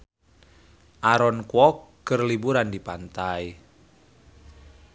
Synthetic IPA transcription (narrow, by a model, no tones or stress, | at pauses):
ʔaɾɔnkwɔkː | ərlibuɾandipant̪aj